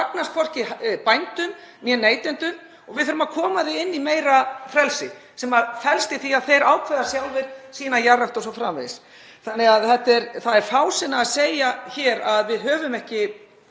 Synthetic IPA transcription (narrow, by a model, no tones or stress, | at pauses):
aknast̪fɔr̥cɪpajnt̪ʏm | mjɛnːeːjt̪ɪnt̪ʏm | ɔɣvɪðθœɾʏmakʰɔːmaðɪɪnːimeːjɾafɾɛlsɪ̰ | sɛmaðfɛlst̪ɪθiaðθejɾaːwkʰvɛðasjawlvɪɾsiːnajaraft̪ɔsɔfɾa̰ːmḛðɪs | θanːɛɣaðθɛht̪ːɛɾθaðɛɾ̥faːwsɪnːaːðseːjaçɛːɾaðvɪðɦœːvʏmɛhcɪ